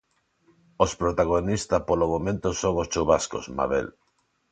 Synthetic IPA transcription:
ospɾot̪aɣ̞onist̪apolomomẽnt̪osoŋost͡ʃuβasko̰sma̰βḛl

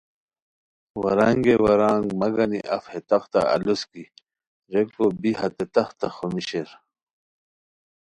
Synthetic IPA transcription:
wɐɾaŋɡewɐɾaːŋɡmɐɡɐnḭʔɐfhet̪ɐxt̪a̰ɐ̰luski | ɾekobiɦɐt̪et̪ɐxt̪axomiɕeɾ

